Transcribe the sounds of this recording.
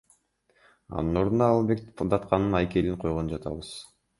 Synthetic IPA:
ɑ̰nɯno̞ɾund̪ɑːlˠbek̚d̪ɑt̪qɑnːɯnɑjke̞liŋqʰo̞jʁond͡ʒɑt̪ʰɑ̰βɯz̥

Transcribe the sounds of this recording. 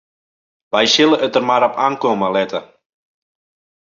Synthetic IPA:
ʋɛjʃɪlˠəət̪ərmaɾɔpʰaːŋkoməlɛt̪ə

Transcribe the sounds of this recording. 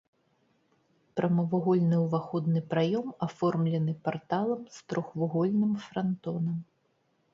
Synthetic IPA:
pɾʔɐmɐvuɣɔlʲnɨwvaxɔd̪nɨpɾajɔmafɔrmlʲɛnɨpart̪alˠɐmst̪ɾɔxvuɣɔlʲnɨmfɾant̪ɔnɐm

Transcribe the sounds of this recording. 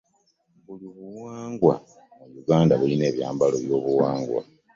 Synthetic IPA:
βuliβuwaːŋɡwa̰ | mujuɡaːndaβuline̞ːβjaːmbaloβjo̞ːβuwaːŋɡwa̰

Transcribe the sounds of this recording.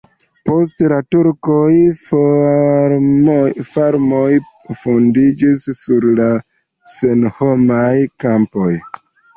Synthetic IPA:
po̞stlatuɾkoj | faɾmoj | fondid͡ʒisːuɾla | senhomajkampo̞j

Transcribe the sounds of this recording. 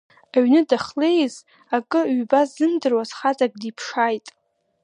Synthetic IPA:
aɥnɨdaχle̞jz | akʼɨɥbasːɨndɨrwazχat͡sʼaɡ̚ʼdipʰʂajtʼ

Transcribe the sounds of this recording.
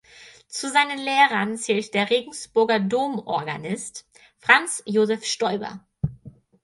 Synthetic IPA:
t͡suzaɪnənleːʁɐnt͡sɛːltd̥eːɐʁeːɡŋ̩sb̥ʊɐɡɐdoːmʔɔ̰ɐɡa̰nɪst | fʁ̥ant͡sjoːzɛfʃtɔʏbɐ̰

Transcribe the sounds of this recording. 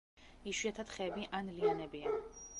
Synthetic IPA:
iʃwiat̪ʰat̪χɛːbiʔanlianɛbia

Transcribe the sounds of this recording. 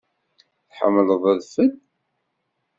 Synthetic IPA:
θħə̰mːləðˤæðfəd

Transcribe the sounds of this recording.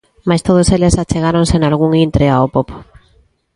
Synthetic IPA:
majst̪oð̞oselesat͡ʃeɣ̞aɾonsenalɣ̞uŋint̪ɾeaopopo̥

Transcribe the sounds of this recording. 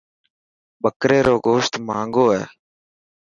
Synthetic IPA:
ɓəkɾeːɾoːɡoːʃt̪mãːŋɡoːɦɛ̰ː

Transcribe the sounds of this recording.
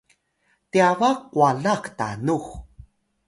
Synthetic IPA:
tiavakːwaɮakta̰nux

